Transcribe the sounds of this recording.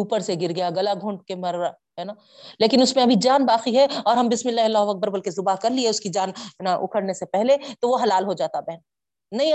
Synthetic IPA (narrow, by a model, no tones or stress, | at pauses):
uːpəɾseɡɪɾɡɐjaɡɐlaɡʱʊ̃ɳʈkemɐɾa | ɦɛːnaː | leːkɪnʊsmẽɐbʱid͡ʒaːnbaːqiɦɛɔːɾɦɐmbɪsmɪlːaːɦlɔːɦʋɐk̚bəɾbɐlkezʊbaɦkɐɾlieʊskid͡ʒaːnaʔʊ̰kʰəɽnesepɛɦlet̪oʋoɦɐlaːlɦod͡ʒaːt̪abɛɦn | nɐɦĩ